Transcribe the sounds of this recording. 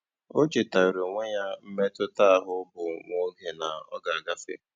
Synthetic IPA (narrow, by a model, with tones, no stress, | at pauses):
o˦t͡ʃe˨ta˨i˨ɾo˨ŋʷe˦ɲa˦m̩˦me˦tʊ˦ta˦ɦʊ˦bʊ˨ŋʷo˦ɡe˨na˨ɔ̰˦ɡa˨a˨ɡa˦fḛ˨˦